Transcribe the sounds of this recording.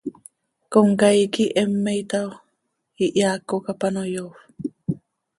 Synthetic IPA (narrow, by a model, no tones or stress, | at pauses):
koŋkajkiʔemːejt̪aw | iʔjaːkːokapanojof